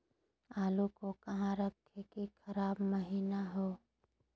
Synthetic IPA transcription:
aːlukokɐɦãɾəkʰekikʰɐɾaːbməɦiːnaɦoː

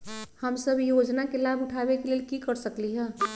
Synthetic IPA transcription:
həmsəbjod͡ʒnakelabʱuʈʰabekelelkikəɾsəkliɦɛ̃

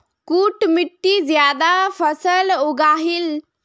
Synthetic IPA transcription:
kuːʈmiʈːizjaːd̪apʰəsəluɡaːɦil

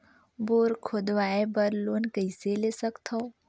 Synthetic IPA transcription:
boːɾkʰoːd̪ʋaːebəɾloːnkəɪselesəkt̪ʰoː

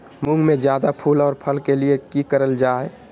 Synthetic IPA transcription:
mũŋɡmẽd͡ʒjaːd̪apʰuːlɔːɾpʰəlkeliekikəɾəld͡ʒaːɛ

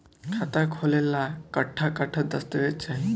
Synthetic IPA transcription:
kʰat̪akʰolelakəʈʰːakaʈʰət̪əst̪əʋett͡ɕa

